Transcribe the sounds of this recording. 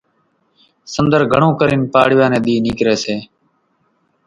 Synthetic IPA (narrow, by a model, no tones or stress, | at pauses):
sənd̪əɾɡʱəɳõːkəɾiːnpaːɽʋãːnẽːɗ̪iːniːkɾeːseː